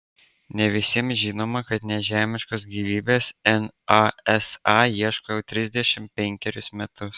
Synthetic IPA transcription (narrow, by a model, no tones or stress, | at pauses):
nʲɛʋʲɪsʲiɛmʒʲɪːnoːmɐkɐt̪nʲɛʒʲæːmʲɪʃkoːsɡʲiːʋʲiːbʲeːsɛnɑɛsɑjiɛʃkoːjɛʊt̪ʲɾʲɪzʲd̪ʲɛʃʲɪmpʲɛŋʲkʲɛɾʲʊsmʲɛt̪ʊs